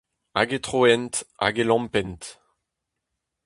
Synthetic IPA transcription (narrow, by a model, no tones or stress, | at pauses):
a̰ɡet̪χoɛnt̪a̰ɡelɑ̃mpɛnt